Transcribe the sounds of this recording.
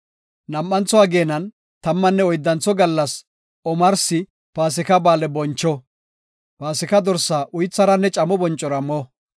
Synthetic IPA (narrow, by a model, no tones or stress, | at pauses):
nɐmːɐnt͡sɔaːɡeːnɐn | t̪ɐmːɐnːɛɔjd̪ːɐnt͡sːɔɡɐlːɐs | ɔmɐɾsɪ | paːs̬ɪkɐbaːlɛbɔnt͡ʃːɔ | paːsɪkɐd̪ɔɾsaʔʊjt͡sːɐɾɐnːɛt͡ʃʼɐmɔbɔnt͡ʃʼːɔɾɐmɔ